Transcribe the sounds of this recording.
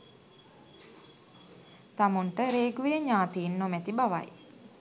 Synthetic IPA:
t̪amuɳʈəɾeːɡuʋeeɲaːt̪iːnːomɛt̪ibaʋa̰j

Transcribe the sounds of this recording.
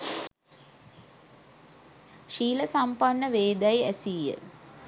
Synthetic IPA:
ʃiːləsampanːəʋeːd̪æjæsijə̰

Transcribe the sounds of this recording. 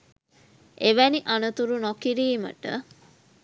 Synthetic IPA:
eʋæniʔanət̪uɾunokiɾiːmə̰ʈə̰

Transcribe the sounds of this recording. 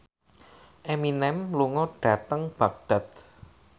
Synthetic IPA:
ʔeminɛmluŋɔɖ̥a̤t̪əŋb̥ak̚ɖ̪̥a̤t̪

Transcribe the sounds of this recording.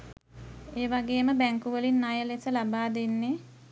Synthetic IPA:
eːʋaɡeːməbæŋkuʋəlinːajəlesəlabaːd̪enːe

